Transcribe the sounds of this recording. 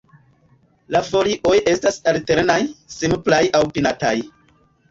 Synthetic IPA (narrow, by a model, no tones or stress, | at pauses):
lafo̞liʔo̞je̞stasalte̞ɾenajsemplajʔawpinataj